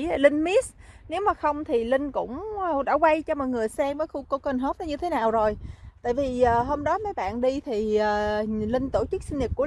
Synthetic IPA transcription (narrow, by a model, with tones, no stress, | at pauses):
lï˧ŋ̟mi˦˥sne˨˦wmaː˨˩xə˧wŋ͡mt̪ʰi˨˩lï˧ŋ̟kʊ̰˧˥wŋ͡mɗa̰ː˧˥kwa˧jt͡ɕɔ˧mɔ˨˩jŋɨ˨˩əjsɛ˧məː˨˦jxu˧ko˧wkə˧˩nɦə˦˥t̚a˨˦ɲɨ˧t̪ʰe˨˦naː˨˩wzo˨˩jt̪a̰ː˧˨jvi˨˩əː˨˩ɦo˧mɗɔ˨˦ma˨˦jɓa̰ː˧˨nɗi˧t̪ʰi˨˩əː˨˩lï˧ŋ̟t̪o˧˩t͡ɕɨ˦˥k̚si˧n̟ɲə˨˩ku˧˩ə